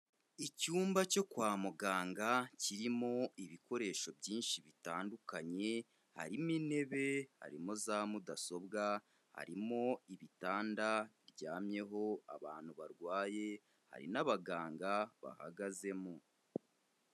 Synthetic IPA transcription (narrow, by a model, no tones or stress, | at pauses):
icuːmbaco̞kwaːmuɡaːŋɡaciɾimo̞iβiko̞ɾe̞ːʃo̞bɟiːnʃiβitaːndukaɲe̞ | ha̰ɾimine̞βe̞ha̰ɾimozaːmudaso̞bɡa | ha̰ɾimo̞iβitaːndaɾɟaːmɲe̞ɦo̞a̰βaːn̥huβaɾɡwaːje̞ | ha̰ɾḭnaβaɡaːŋɡaβa̰ha̰ɡaze̞mo